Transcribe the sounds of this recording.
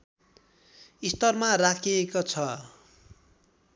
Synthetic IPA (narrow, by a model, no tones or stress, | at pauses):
ist̪ʌrmarakʰiekot͡sʰʌ